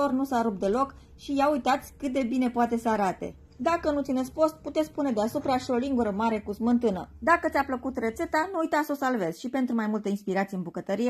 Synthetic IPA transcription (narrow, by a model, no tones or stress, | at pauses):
o̞rnusaɾup̚d̪e̞lo̞k | ʃijaujt̪at̪sʲkɨt̪̚d̪e̞bine̞poat̪e̞səaɾat̪e̞̰ | d̪akənut̪sinesʲpo̞st̪̚put̪et̪sʲpune̞d̪easupɾaʃio̞liŋɡuɾəmaɾe̞kuzmɨnt̪ɨnə̰d̪akət̪sʲapləkut̪re̞t̪se̞t̪anuːjt̪aso̞salve̞z̥ʲʃipe̞nt̪ɾumajmult̪einspiɾat̪sieɨnbukət̪əɾie